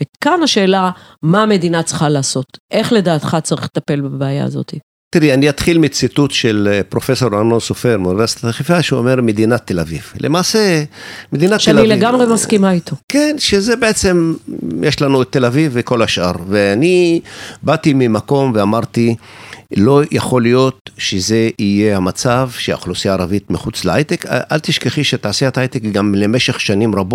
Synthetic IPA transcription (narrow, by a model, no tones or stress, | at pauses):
vekanaʃe̞ːlamaːme̞d̪inat͡sχalaːso̞t̪ʔe̞χle̞daːt̪χat͡saʁiχlet̪ape̞lbabeaja̰a̰zo̞̰t̪i | t̪iʁɛaniat̪χilmit͡situt̪ʃelpʁo̞feso̞ɾanonsofeʁmuniveɾsi̥t̪aaχifaʃuomeʁmed̪inat̪ːelavivlʔemaːsemed̪inatʃealaileɡamʁemaskimait̪ʰokenʃezebeʔet͡se̞mjeʃlanuet̪ːe̞laviviko̞laʃʔaʁveanibat̪imimako̞mveamaʁt̪i | lo̞jaχo̞lijo̞t̪ʃeze̞ijehamat͡savʃea̰χlusiaːʁavit̪miχut͡sleajt̪ekʔalt̪iʃkeχiʃet̪aaseet̪aajt̪ekɡamle̞me̞ʃeχʃanimʁabo